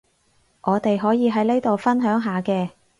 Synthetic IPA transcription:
ʔɔː˨˧t̪e˨jɦɔː˨˥jiː˨˧ɦɐ˨˥jne˥jt̪o˨wfɐ˥nɦœː˨˥ŋɦaː˨˧kɛː˧

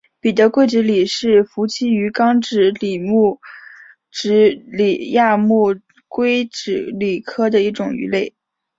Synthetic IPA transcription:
pi˨˩t̪ɤ˧˥kwe˥ɪʈ͡ʂɻ̩˧˥li˨˩ʂɻ̩˥˩fu˧˥t͡ɕʰi˥y˧˥kɑ˥ŋʈ͡ʂɻ̩˧˥li˨˩mu˥˩ | ʈ͡ʂɻ̩˧˥li˨˩ja˥˧mu˥˩ | kwe˥ɪʈ͡ʂɻ̩˧˩li˨˩kʰɤ˥d̪ə˨i˥˩ʈ͡ʂʊ˨˩ŋy̰˧˥le˥˩ɪ

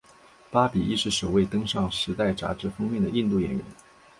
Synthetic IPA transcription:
pa˥pi˨˩i˥˧ʂɻ̩˥˩ʂo˨˩ʊwe˥˩ɪt̪ɤ˥ŋʂɑ˥˩ŋʂɻ̩˧˥t̪a˥˩ɪʈ͡ʂa̰˧˥ʈ͡ʂɻ̩˧˥fɤ˥ŋmjɛ˥˩nd̪ə˩i˥˧nt̪u˥˩jɛ̰˨˩nɥɛ̰˧˥˦n

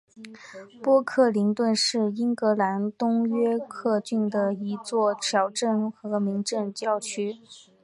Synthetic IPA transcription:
pwɔ˥kʰɤ˥˩li˧˥ŋt̪wə˥˧nʂɻ̩˥˩i˥ŋkɤ˧˥la˧˥nt̪ʊ˥ŋɥɛ˥kʰɤ˥˧t͡ɕy˥˩nd̪ə˩i˧˥t͡swɔ˥˩t̪ʰjɑ˧˥ʊʈ͡ʂə˥˩nxɤ˧˥mi˧˥ŋʈ͡ʂə˥˧ŋt͡ɕjɑ˥˧˩ʊt͡ɕʰy˥

